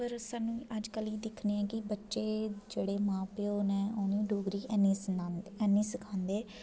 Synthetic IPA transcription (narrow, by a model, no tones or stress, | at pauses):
pəɾsaːnːũːʔəd͡ʒkəliːd̪ɪkʰneːɛ̃ːkɪbətːʃeːd͡ʒeːɽeːmãːpeːoːnɛ̃ːoːnĩːɖoːɡɾiːɛniːɛːniːsəkʰãːnd̪eː